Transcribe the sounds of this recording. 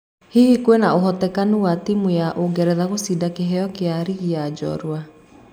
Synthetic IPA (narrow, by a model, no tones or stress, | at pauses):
hihikwenaoɦɔtɛkanuwatimujaʔoɡɛɾɛðaɣosidakeɦɛɔkeaɾiɣiad͡ʒɔ̰ɾwa